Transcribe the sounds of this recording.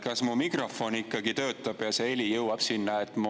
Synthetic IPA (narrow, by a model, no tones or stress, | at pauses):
kɑsmumikro̞fo̞nikːɑɡit̪ø̞ːt̪ːˑɑb̥jɑseelʲijɤwɑb̥sinːɑet̪ːˑmu